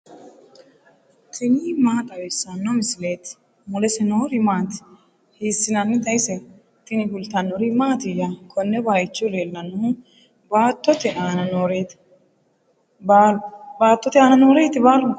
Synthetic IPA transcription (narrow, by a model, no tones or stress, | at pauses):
t̪ʰɪnimaːt̪ʼɐwɛsːanːɔmɪsɪleːt̪ | mʊlɛsɛnoːɾɪmaːt̪ɪ̥ | hiːsːɪnɐnːɪd̪ɐjsɛ | t̪ːɪnɪɡʊlt̪ːɐnːɔɾɪmaːt̪ɪjakʰɔnːɛbaːjt͡ʃːʊɾeːlːɐnʊ | baːt̪ːɔt̪ɛʔaːnɐnoːɾeːt̪ | bbaːt̪ːɔt̪ɪaːnɐnoːɾeːt̪ɪbaɾ